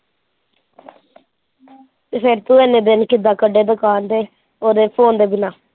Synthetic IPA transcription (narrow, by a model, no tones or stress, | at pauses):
t̪epʰɪɾt̪ũːenẽːd̪ɪnkɪd̪aːkəɖeːd̪ʊkaːnd̪eː | oːd̪eːpʰoːnd̪eːbɪnaː